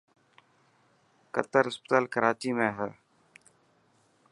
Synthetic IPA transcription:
kə̰t̪əɾɦɪspət̪aːlkəɾaːt͡ʃiːmẽːɦɛː

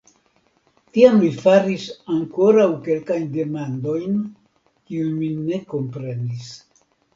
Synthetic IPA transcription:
tiamlifaɾisaŋko̞ɾawke̞lkajndemand̪o̞jn | kiunmine̞ko̞mpɾe̞nis

